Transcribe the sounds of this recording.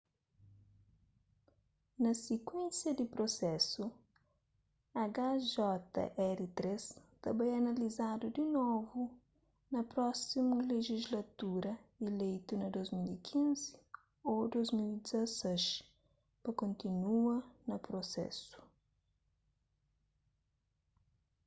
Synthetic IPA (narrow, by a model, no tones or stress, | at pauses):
nɐsekwẽnsjɐd̪ipɾosɛsu | ɐɡaʒɔt̪ɐ̰ʔɛɾit̪ɾest̪ɐmbɐ̃jɛɐnɐlizad̪ud̪inovu | nɐpɾɔsimuleʒizlɐt̪uɾɐelejt̪unɐd̪ozmilikʰĩnzi | od̪ojzmilid̪izɐsɛʃ | pɐkõnt̪inuɐnɐpɾosɛ̰su̥